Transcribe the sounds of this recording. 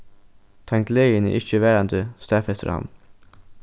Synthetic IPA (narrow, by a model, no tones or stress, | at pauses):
t̪ʰɛŋt̪lejənḭʔɪçəʋæːɾɑnd̪əst̪æːfɛst̪ə̰ɾɑ̰m